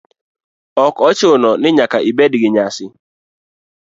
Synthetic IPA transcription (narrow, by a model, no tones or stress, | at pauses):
ɔkɔt͡ʃɪʊnɔnɪɲakaʔibedɪɡɪɲasɪ